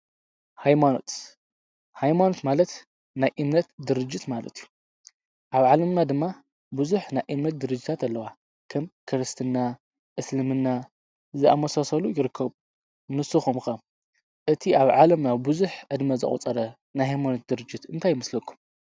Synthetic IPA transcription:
hajmano̰t̪ | hajmanot̪malɐt̪ | najʔɨmnɐt̪d̪ɨɾɨd͡ʒːit̪malɐ̰t̪iju | ʔaβʕalɐmnad̪ɨmːa | bɨzuħnajʔɨmnɐt̪̚d̪ɨɾɨd͡ʒːit̪ʰat̪ɐlːɐwa | kʰɐmkʰɨɾɨst̪ʰɨnːa | ʔɨslɨmɨnːa | zɨʔa̰mɐsasɐlujɪɾɨkʰːɐβu | mɨsɨxumxɐm | ʔɨt̪ʰiʔaβʕalɐmnaβbɨzuħʕɨd̪mɐzɨ̰χʼṵt͡sʼɐɾɐ | najɦajmanot̪̚d̪ɨɾɨd͡ʒːit̪ɨnt̪ʰajːɪmɐslɐkʰːu̥m

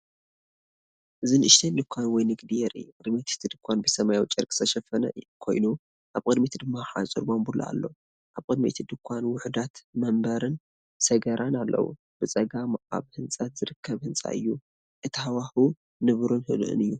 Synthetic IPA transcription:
ʔɨzɨnʔɨʃt̪ʰendɨkʷʰːanwɔjnɨɡd̪ijɛɾʔɨ̰jːukʼɨd̪met̪ʰt̪ʰɨd̪ɨkʰʷːanbɨsɐmajwt͡ʃʼɐɾkʼɨ̥sʰɐʃɐfɐnɐ̰kʰo̞̰jnu | ʔaβkʼɨd̪mit̪ʰd̪ɨmːaxa̰t͡sʼɨ̰ɾbombula̰a̰lːo̞ | ʔaβkʼɨd̪mḛt̪ʰid̪ɨkʷʰːanwʊħd̪at̪mɐmbɐɾɨn | sɐɡɐɾʔanalːɐ̰wṵ | b̥ɨt͡sʼɐɡaa̰βhɨnt͡sʼat̪zɨɾɨkʰːɐβhɨnt͡sʼa̰ʔɨ̰jːu | ʔɨt̪ʰihawahu | nɨβɾunhɨ̰lʔɨ̰nɨjːu

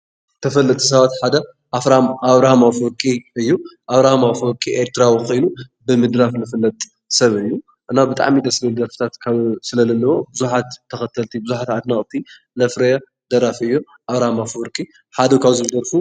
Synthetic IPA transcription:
t̪ʰɐfɐlːɐt̪ʼʰis̬ɐβat̪ħad̪ɐ | ʔafɾamʔaβɾahmafɾkʼiɨjːuʔaβɾahmafoɾkʼiʔeɾt̪ʰɨɾawikʰo̞jnubɨmɨd̪ɾafnɨfɨlːɐt̪ʼ | sɐβɨjːu | ʔɨnabɨt̪ʼa̰ʕmid̪ɐslɐd̪ɐɾfɨ̥t̪ʰat̪kʰaβsɨlɐlɐnːɐwo̞bɨzuħat̪ʰːɐxɐt̪ʰɐlt̪ʰibɨzuħat̪ʕad̪naχʼt̪ʰi | lɐfɾɐja | d̪ɐɾafɨjːu | ʔaβɾahmafɾkʼi | ħad̪ukʰaβzɨbɨd̪ɐɾfu

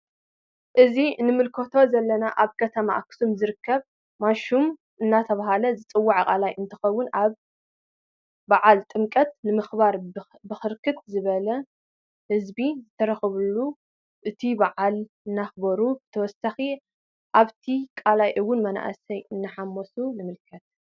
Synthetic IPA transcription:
ʔɨzinɨmɨlkʰot̪ʰo̞zɐlːɐnaʔaβkʰɐt̪ʰɐma̰kʰɨ̥sumzɨɾɨkʰːɐβ | maʃum | ɨnːat̪ʰɐβahalɐzɨt͡sʼɨwːaʕkʼalajʔɨnt̪ʰɨ̥xɐwːʊnaβ | aʕalt̪ʼɨmkʼɐt̪̚nɨmɨxbaɾ | bɨxɨɾkʰɨt̪zɨβɐlɐ | hɨzbizɨt̪ʰɐɾɐxɨβulːu | ʔɨt̪ʰibaʕal | ɨnːaxbɐɾubɨt̪ʰɐwɔsaxi | ʔaβt̪ʰikʼalajʔɨwːʊnmɐna̰ʔɐ̰sɐjɨnːɨħamːosunɨmɨlkʰɐt̪̚

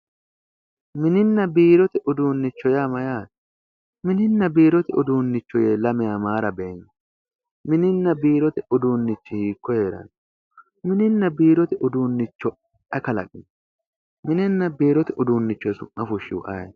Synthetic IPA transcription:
mɪnɪnːɐbiːɾɔt̪ɪʔʊd̪uːnːɪt͡ʃːɔjamɐjaːt̪ | mɪnɪnːɐbiːɾɔt̪ɪʊd̪uːnːɪt͡ʃːɔjeːlɐmɪjaːmaːɾɐbeːɲː | mɪnɪnːɐbiːɾɔt̪ɪʊd̪uːnːɪt͡ʃːɪhiːkːɔhe̞ːɾɐ̰n | mɪnɪnːɐbiːɾɔt̪ɪʔʊd̪uːnːɪt͡ʃːɔ | ɛkɐlɐ̰kʼɪn | mɪnɪnːɐbiːɾɔt̪ɪʔʊd̪uːnːɪt͡ʃːɔjɛsʊmːɐfʊʃːɪwʊ̰ʔɐ̰j

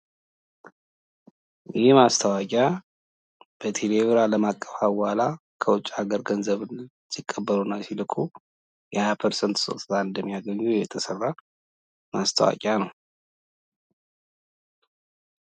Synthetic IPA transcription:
jɪmast̪ʰəwakʼa | b̥ət̪ʰeleβɾaləmakʼːəfawwalakʰəwʊt͡ʃʼːaɡəɾɡənzəβ | sikʼːəbːəlunasilɨkʰʼu | jɛhajapʰəɾsənt̪so̰t̪ʰt̪aɨnd̪əmːijaɡəɲːujjɛt̪ʰəsərːa | mast̪ʰə̰wa̰kʼjanəw

